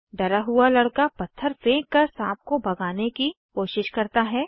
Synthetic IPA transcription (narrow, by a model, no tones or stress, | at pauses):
ɖɐɾaɦʊalɐɽkapɐt̪ʰːəɾfẽːkːɐɾsaːp̚kobɐɡaːneki | koːʃɪʃkɐɾt̪aɦɛː